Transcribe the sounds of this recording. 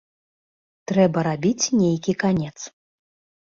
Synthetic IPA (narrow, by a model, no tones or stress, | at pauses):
t̪ɾɛbɐɾabʲit͡sʲnʲejkʲikanʲɛt̪s